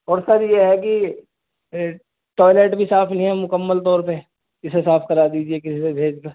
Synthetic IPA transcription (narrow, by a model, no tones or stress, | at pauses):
ɔːɾsɐɾjeɦɛk̬i | ʈɔːɪleːʈbʱisaːfʰnɐɦĩɦɛmʊkəmːəlt̪ɔːɾpe | ɪsesaːfʰkɐɾaːd̪iːd͡ʒiekɪsisebʱeːd͡ʒkaː